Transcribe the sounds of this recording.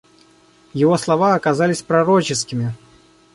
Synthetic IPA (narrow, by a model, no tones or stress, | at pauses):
jiɣɔslˠavaːkazalʲisʲpɾaɾɔt͡ʃɪskʲimʲi